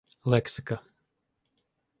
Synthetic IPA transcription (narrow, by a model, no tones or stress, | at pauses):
lɛksɪka